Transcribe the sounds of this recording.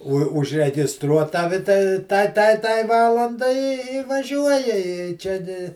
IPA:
oː ʊʒʲrʲɛɡʲɪsˈtruɔ ˈtɑːʋʲɪ tɐ ˈtɐɪ ˈtɐɪ ˈtɐɪ ˈʋɑːlˠɐndɐɪ ɪ ɪ ʋɐˈʒʲuɔjɛ ɪ ˈt͡ʃʲɛ ɡʲɪ

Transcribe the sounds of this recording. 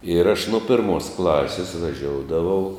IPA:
ɪr ɐʃ nʊ ˈpʲɪrmoːs ˈklˠɑːsʲɪs ʋɐˈʒʲoːʊdɐʋɐʊ

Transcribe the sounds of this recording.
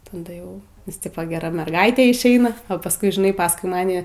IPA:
tɐˈdɐ ˈjɛʊ nʲɛs ˈtʲɪpoː ɡʲɛˈrɐ mʲɛrˈɡɐɪtʲeː ɪʃʲˈɛɪnɐ oː pɐsˈkʊɪ ʒʲɪˈnɐɪ pɐsˈkʊɪ ˈmɑːnʲɪ

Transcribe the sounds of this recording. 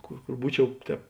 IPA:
ˈkoːr ˈkoːr ˈbuːˌt͡ʃʲɛʊ ˈtʲɛːp

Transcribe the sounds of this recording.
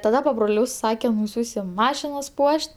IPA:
tɐˈdɐ pɐbroːˈlʲʊs ˈsɑːkʲɛm nʊˈsʲuːsʲɪm ˈmɑːʃʲɪnɐs ˈpuɔʃʲtʲ

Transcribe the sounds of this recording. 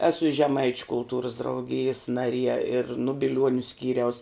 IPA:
ˈæːsʊ ɪ ʒʲɛˈmɐɪt͡ʃʲʊ kʊlˠˈtuːrʊs drɐʊˈɡʲɪjɪs nɐˈrʲiɛ ɪr nʊ bʲɪˈlʲuɔnʲʊ ˈsʲkʲiːrʲɛʊs

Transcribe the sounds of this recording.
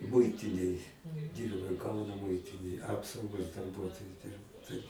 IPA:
ˈmʊɪtʲɪnʲeːj ˈdʲiːrbɐʊ ˈkɐʊnoː ˈmʊɪtʲɪnʲeːj ˈɑːpsɐʊɡoːs dɐrˈbuɔtoːjʊ ˈdʲɪrbɐʊ tɐɪp

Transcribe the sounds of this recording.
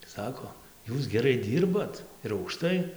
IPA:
ˈsɑːkoː ˈjuːs ɡʲɛˈrɐɪ ˈdʲiːrbɐt ɪr ɐʊkˈʃtɐɪ

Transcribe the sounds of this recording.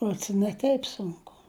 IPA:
ˈruɔts ɪ nʲɛ ˈtʲɛɪp sʊŋˈkʊ

